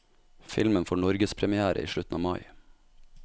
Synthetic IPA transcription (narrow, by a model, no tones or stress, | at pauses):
fɪ̰lmənfɔɳɔɾɡəspʰɾɛmɪæːɾʔə̰ʔḭːʃɭʉt̪n̩ɑːʋmɑɪ